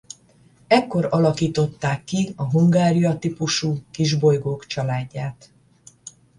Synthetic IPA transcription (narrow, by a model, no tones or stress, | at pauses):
ɛkːo̞ɾɒlɒkiːt̪o̞t̪ːaːkːiɒɦuŋɡaːɾijɒt̪ipuʃuːkiʒbo̞jɡoːkt͡ʃɒlaːɟːaːt̪